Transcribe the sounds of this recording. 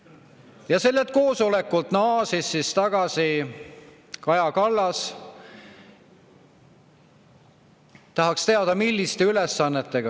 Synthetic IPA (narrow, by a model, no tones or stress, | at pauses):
jɑse̞lːet̪̚ko̞ːso̞le̞kːˑult̪nɑːsisːist̪ɑɡ̥ɑsi | kɑjɑkɑlːɑs | t̪ɑɦɑkst̪e̞ɑd̪̥ɑmilʲːist̪e̞yle̞sːɑnːet̪ːe̞ɡ̥ɑ